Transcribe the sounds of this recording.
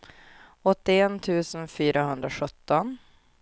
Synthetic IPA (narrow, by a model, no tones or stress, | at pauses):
ɔt̪ːɪent̪ʰʉ̟ːsənfyːɾʔaɦɵnd̪ɾaɧɵt̪ːɔn